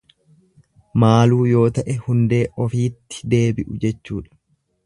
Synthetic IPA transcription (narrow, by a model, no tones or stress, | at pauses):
maːluːjo̞ːt̪ɐʔɛhʊnd̪e̞ːʔɔfiːt̪ːɪ̥d̪e̞ːbɪʔʊd͡ʒɛt͡ʃːuːᶑɐ̥